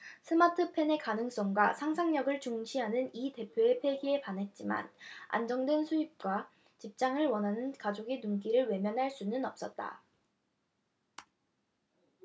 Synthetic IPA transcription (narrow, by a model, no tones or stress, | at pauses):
sʰɯmatʰɯpʰe̞ne̞kanɯŋs͈ʌŋɡwasʰaŋsʰaŋɲʌɡɯɭt͡ɕoŋɕʰiɦanɯnite̞pʰjoe̞pʰe̞ɡie̞panɦe̞t̚t͡ɕ͈ima̰na̰nd͡ʑʌŋdwe̞nsʰuip̚k͈wa | t͡ɕip̚t͡ɕ͈aŋɯɭwʌnɦanɯnkad͡ʑoɡinumk͈iɾɯɭwe̞mjʌnɦaɭs͈unɯnʌp̚s͈ʌt̚t͈a̰